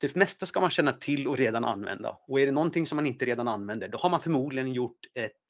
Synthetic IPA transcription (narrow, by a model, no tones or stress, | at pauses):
d̪̥ɛmɛst̪askamanɕɛnːat̪ʰɪlːɔɾeːd̪anʔa̰nːvɛ̰nd̪a̰ɔæɖɛnɔnt̪ʰɪŋsɔmːanɪnt̪əɾeːd̪ananːvɛnd̪əɖɔhaɾmanfœɾmuːd̪lɪɡənjʊʈːɛt̪